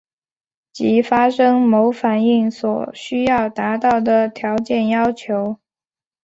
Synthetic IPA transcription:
t͡ɕi˧˥fa˥ʂɤ˥ŋmo˧˥ʊfa˨˩ni˥˩ŋswɔ˨˩ɕy˥jɑ˥˩ʊt̪a˧˥t̪ɑ˥˩ʊd̪ə˩t̪ʰjɑ˧˥ʊt͡ɕjɛ˥˩njɑ˥ʊt͡ɕʰjo˧˥ʊ

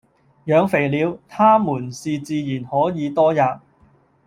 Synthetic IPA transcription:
jœː˨˧ŋfe˨˩jliː˨˧wt̪ʰaː˥muː˨˩nsiː˨t͡siː˧jiː˨˩nhɔː˨˥jiː˨˧t̪ɔː˥jaː˨˧p̚

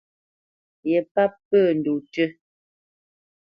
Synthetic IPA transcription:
jɛ˨pa˦pːəː˦˨n̩˨du˨tə˦

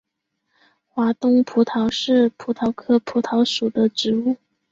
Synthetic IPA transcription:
xwa˧˥t̪ʊ˥ŋpʰu˧˥t̪ʰɑ˧˥ʊʂɻ̩˥˩pʰu˧˥t̪ʰɑ˧˥ʊkʰɤ˥pʰu˧˥t̪ʰɑ˧˥ʊʂu˨˩d̪ə˦ʈ͡ʂɻ̩˧˥u˥˩

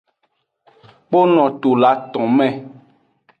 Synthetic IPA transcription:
k͡po˦nɔ̃˨t̪o˨la˨˦t̪ɔ̃˨mɛ̃˨

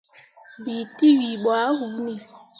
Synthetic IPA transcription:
bi˨ti˦wi˨ɓwa˨˦hu˨˦ni˨

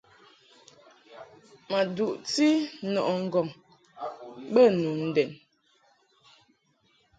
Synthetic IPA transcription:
ma˨du˨ʔti˦nɔ˨ʔɔ˨ŋ̩˦ɡɔ˨ŋ | bə˦nu˨n̩˨dɛ˨n

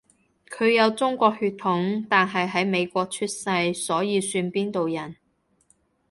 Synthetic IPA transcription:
kʰɵ˨˧ɥjɐ˨˧wt͡sʊ˥ŋkʷɔː˧k̚hyː˧t̪ʰʊ˨˥ŋt̪aː˨nɦɐ˨jɦɐ˨˥jme˨˧jkʷɔː˧k̚t͡ʃʰyː˥t̚sɐ˧jsɔː˨˥jiː˨˧syː˧npiː˥nt̪o˨wjɐ˨˩n

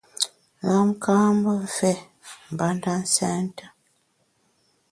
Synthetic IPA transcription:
la˦m̩˦kʰa˦mbo˦ɱ˨fɛ˦ | m˨ba˨˦nda˦n˦sɛ˦nta˨

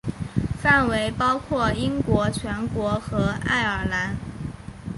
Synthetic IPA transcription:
fa˥˩nwe˧˥ɪpɑ˥ʊkʰwɔ˥˩i˥ŋkwɔ˧˥t͡ɕʰɥɛ˧˥nkwɔ˧˥xɤ˧˥a̰˥˩ɪə˞˨˩la˧˥n

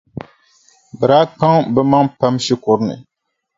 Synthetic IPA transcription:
bɛ˨ɾaː˦k͡pa˦ŋbɛ˦ma˦ŋpa˦mʃɪ˦kʊ˨ɾnɨ̰˨

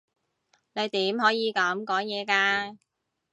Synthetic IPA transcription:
ne˨˧jt̪iː˨˥mɦɔː˨˥jiː˨˧kɐ˨˥mkɔː˨˥ŋjɛː˨˧kaː˧

